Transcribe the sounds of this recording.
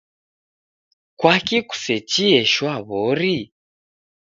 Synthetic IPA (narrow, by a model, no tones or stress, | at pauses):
kwakiku̥sɛt͡ʃiɛʃwaβɔɾi